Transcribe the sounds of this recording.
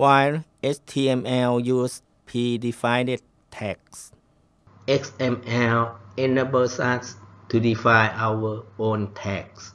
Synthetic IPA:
wajlʔet͡ʃt̪ʰiːɛmɛljuːs | pʰidifajded̚ | t̪ʰːɛk̚s | ʔeksɛmɛlenəbəsatst̪ʰudifãjʔawəʔont̪ʰɛk̚s

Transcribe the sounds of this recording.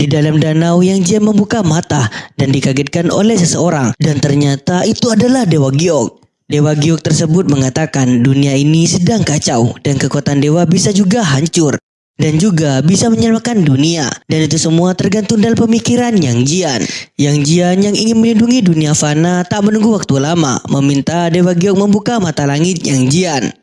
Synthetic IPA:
didalamdanawjaŋd͡ʒianməmbukamat̪adandikaɡɛt̪̚kano̰lɛhsəsəoɾaŋdant̪ərɲat̪aʔit̪uadalahdewaɡiɔk̚ | dewaɡiɔk̚t̪ərsəbʊt̪̚məŋat̪akanduniainisədaŋkat͡ʃawdankəkuat̪andewabisad͡ʒuɡaɦaɲt͡ʃʊr | dand͡ʒuɡabisaməɲamakandunia̰danit̪usəmuat̪ərɡant̪ʊŋdalampəmikiɾanjaŋd͡ʒianjaŋd͡ʒianjaŋiŋɪnməlinduŋiduniafanat̪aʔmənuŋɡuwak̚t̪ulama̰məmint̪adewaɡiɔk̚məmbukamat̪alaŋɪt̪̚jaŋd͡ʒian

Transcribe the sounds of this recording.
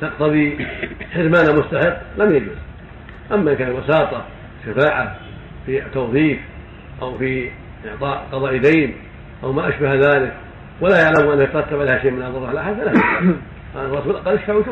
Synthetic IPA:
t̪ɑqt̪ɑðˤiħɪɾmaːnamʊst̪aħɪqːlamjad͡ʒuz | ʔamːaʔɪnkaːnlwɑsɑːt̪ˤɑ | ɪʃːafaːʕa | fit̪ːoːθiːk | ʔawfi | ʔɪʕt̪ˤɑːʔqɑðˤɑːʔd̪eːn | ʔawmaʔaʃbahðaːlɪk | walajaʕlamʔanːakjɪt̪ɾˤɑt̪ːabʕalehaʃeːʔmɪnhaːlɑrˤɑħalʔaħaala | ʔaˤɑːsbɪlʔaqɑlːʔaʃfaʕuʃu

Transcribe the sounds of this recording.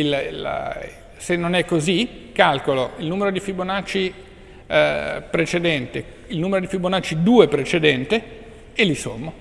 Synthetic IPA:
ilil | senːonɛkːozi | kalkoloilnuːmeɾod̪ifibonat͡ʃːi | pɾet͡ʃed̪ɛnt̪e | ilnuːmeɾod̪ifibonat͡ʃːid̪uːepɾet͡ʃed̪ɛnt̪e | eliso̰mːo

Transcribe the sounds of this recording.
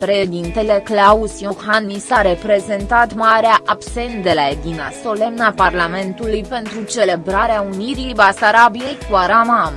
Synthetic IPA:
pɾe̞ʃed̪int̪e̞le̞klausjohanːisaɾe̞pɾe̞ze̞nt̪at̪maɾeaʔabse̞nt̪̚d̪e̞laed̪ina̰so̞le̞mnaparlame̞nt̪ulujpe̞nt̪ɾut͡ʃe̞le̞bɾaɾeauniɾibasaɾabijejkwaɾamam

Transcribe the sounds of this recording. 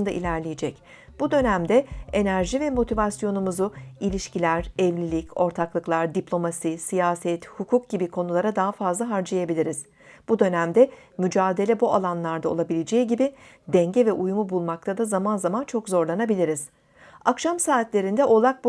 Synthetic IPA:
nd̪aʔḭlʲæɾlʲijed͡ʒɛc | b̥ud̪ø̞næmd̪ɛe̞næɾʒivɛmo̞t̪ʰivasjo̞numuzuilʲiʃcilʲæɾɛvlʲilʲico̞ɾt̪ʰaklˠɯklˠaɾd̪iplʲo̞masisijaːsɛt̪hukʰuk̚ɟ̥ibikʰo̞nulˠaɾad̪aɦafazlˠaɦaɾd͡ʒajebilʲiɾiz̥ | b̥ud̪ø̞næmd̪ɛ | myd͡ʒaːd̪e̞lʲɛbuʔalˠanlˠaɾd̪ao̞lˠabilʲed͡ʒejiɟibi | d̪ɛɲɟɛvɛʔujumubulˠmak̚t̪ʰad̪azamanzamant͡ʃʰo̞kzo̞ɾlˠanabilʲiɾiz̥ | akʃamsaːt̪lʲe̞ɾind̪ɛʔo̞lˠak̚b

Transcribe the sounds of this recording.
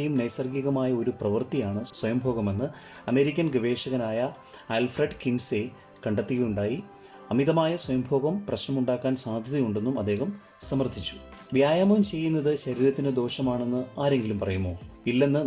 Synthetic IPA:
jumnɐjsɐrɡɐɣɐmaːjɐo̞ɾuprɐʋɐrt̪ijaːɳɨswɐjɐmbʱo̞ːɡɐme̞nːɨ | ɐme̞ːɾikʲːɐnɡiʋe̞ːʂɐɣɐnaːjɐ | alfreɖkinse | kɐɳɖɐt̪ːiɣejuɳɖaːji | ɐmiðɐmaːjɐswɐjɐmbʱo̞ːɣɐmprɐɕnɐmuɳɖaːkːaːnsaːd̪ʱɐðijuɳɖe̞nːumɐd̪ːe̞ːɦɐm | sɐmɐrd̪ʱit͡ɕːu̥ | ʋjaːjaːmɐumt͡ɕe̞jːunːɐðɨɕɐɾiːɾɐt̪ːinɨd̪o̞ːʂɐmaːɳe̞nːɨaːɾe̞ŋɡilumpɐrɐjumːo̞ːilːe̞nːɨ

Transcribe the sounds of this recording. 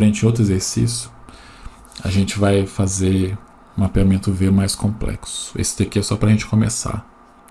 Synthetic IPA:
ɾẽnt͡ʃɪowt̪ɾʊezeɾsḭsjʊ | a̰ʒẽnt͡ʃɪvajfazeɾ | ũmapeamẽnt̪ʊveɾmajskõplɛ̰ksʊ̥ʊ̥ḛsɪ̥t̪ekeɛsɔpɾɐʒẽnt͡ʃɪ̥kõmesa̰ɾ

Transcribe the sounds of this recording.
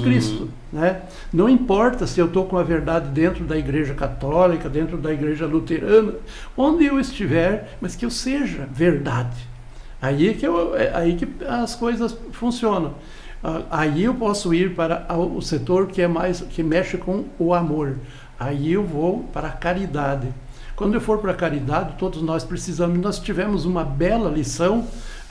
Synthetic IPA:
kɾist̪ʊ | nɛ | nɐ̃w̃ĩpɔɾt̪ɐsɪewt̪okõɐveɾd̪ad̪ɪd̪ẽnt̪ɾʊd̪ɐiɡɾeʒɐkat̪ɔlikɐd̪ẽnt̪ɾʊd̪ɐiɡɾeʒɐlut̪eɾɐ̃nɐ | õnd̪ɪewɪst͡ʃivɛɾ | mɐskɪewseʒɐveɾd̪ad̪ɪ | aikewɛ̰ʔa̰ikɪɐskojzɐs | fũsiõnɐ̃w̃ | aaiewpɔsʊiɾpaɾɐaʊset̪oɾkɪɛmajzkɪmɛʃɪkõʊamoɾ | aiewvowpaɾɐkaɾid̪ad̪ɪ | kwɐ̃nd̪ʊewfoɾpaɾɐkaɾid̪ad̪ɪt̪od̪ʊznɔspɾesizɐ̃mʊnɔst͡ʃivɛ̃mʊzũmɐbɛlɐlisɐ̃w̃

